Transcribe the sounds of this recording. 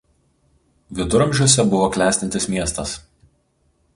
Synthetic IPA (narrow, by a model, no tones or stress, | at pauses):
ʋʲɪd̪ʊɾɐ̃mʲʒʲuɔsʲɛbʊʋoːklʲæːsʲt̪ʲɪnʲt̪ʲɪsmʲiɛst̪ɐs